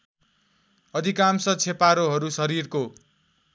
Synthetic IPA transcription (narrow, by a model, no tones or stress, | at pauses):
ʌd̪ʱikamsʌt͡sʰepaɾoɦʌɾusʌɾirko